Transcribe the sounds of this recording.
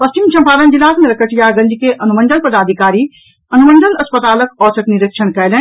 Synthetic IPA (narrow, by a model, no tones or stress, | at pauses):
pɐst͡ʃimt͡ʃʰɐ̃mpʰaːɾɐnd͡ʒilaːsmeɾɐkəʈʰijaːɡɐ̃ɲd͡ʒikeʔɐnumɐ̃ndənpɐd̪aːd̪ʱikaːɾi | ɐnumɐ̃nɖ̪ənɐspɐt̪aːləkɔːsɐkniɾəkʃɐnkɐjlẽ